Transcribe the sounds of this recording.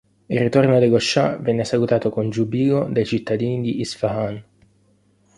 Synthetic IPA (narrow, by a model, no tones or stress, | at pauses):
irːit̪ornoad̪eɡoʃːavɛnːesakut̪aːt̪okond͡ʒubiːɡod̪ajt͡ʃit̪ːad̪iːnid̪iʔːsfaɦan